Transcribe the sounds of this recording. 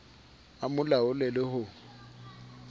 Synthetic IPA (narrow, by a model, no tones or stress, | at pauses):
amʊlaʊlɛlɪhʊ